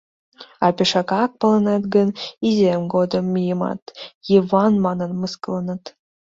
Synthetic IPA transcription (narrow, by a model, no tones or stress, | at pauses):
ɑpʲeʃɑkɑk̚pɤ̆lə̆nɑt̪ɡənizʲemɡod̪əmːijəmɑ̰t̪jivɑnmɑnənmɨskəlɤnɤt̪